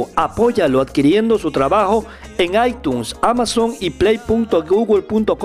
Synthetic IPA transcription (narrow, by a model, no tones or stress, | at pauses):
apo̞ʝaload̪kiɾje̞nd̪o̞sut̪ɾaβaxo | eŋajt̪unsamasoŋiplejpunt̪oɡuɣulpunt̪ok